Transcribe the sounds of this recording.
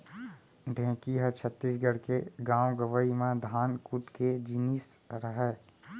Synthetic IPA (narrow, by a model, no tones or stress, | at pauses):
ɖʱẽːkiɦɛt͡ʃʰət̪ːisɡəɽkeɡãːwɡəʋəimẽd̪ʱaːnkuʈked͡ʒiːnisɾəɦɛː